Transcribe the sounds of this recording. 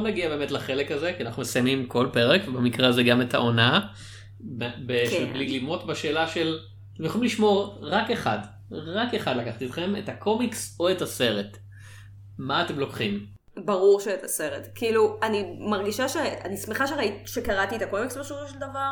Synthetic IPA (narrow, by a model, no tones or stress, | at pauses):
onaɡiabe̞ːmetlaχe̞lekazekianaχnumesajmimkʰo̞lpe̞ʁekvebemikʁeazeɡame̞ta̰o̞na | bbeʃeblilimotbaʃe̞ːlaʃel | t̪emjaoimliʃmo̞ʁʁake̞χa̰d | ʁakeχad̪lakaχt̪et̪χe̞mḛtakʰomikso̞etase̞ʁet | maːtemlo̞kχim | baʁuʁʃeːt̪ʰase̞ʁetkiiluanimaʁɡiʃaʃea̰nismeχaʃeʁaiʃekaʁatiet̪akomiksbaʃofoʃeld̪avaʁ